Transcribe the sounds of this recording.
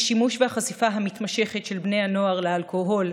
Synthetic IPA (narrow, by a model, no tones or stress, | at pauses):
ʃimuʃvehaχasifaɦamit̪maʃe̞χetʃelbne̞jano̞aʁlealkoɦo̞l